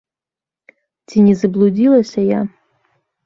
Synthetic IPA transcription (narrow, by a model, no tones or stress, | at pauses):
t͡sʲinʲɛzɐblˠud͡zʲilˠɐsʲɐja̰